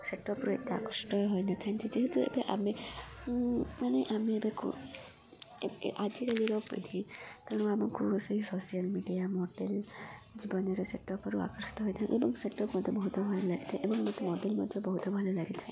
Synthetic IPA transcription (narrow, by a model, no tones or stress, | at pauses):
seʈːɔpɾuet̪ːaa̰kɔsʈɔɦojnat̪ʰant̪ʰid͡ʒeɦɛt̪uḛbeʔa̰me | maneʔamiebekṵ | ʔad͡ʒikaliɾɔɡpḛt̪ʰikaɽ̃uamɔkuseɦisosijalmiɖijamɔɖeld͡ʒibɔnɔɾeseʈːɔpɔɾua̰kɔɾsi̥t̪ɔɦɔjt̪ʰaj̰̃ʔebɔŋseʈːɔpmɔd̪ʱjɔbɔɦut̪ɔbʱalɔlaɡit̪ʰaj̃ebɔŋmɔd̪ʱemɔɖelmɔd̪ʱjebɔɦut̪ɔbʱalɔlaɡit̪ʰaẽ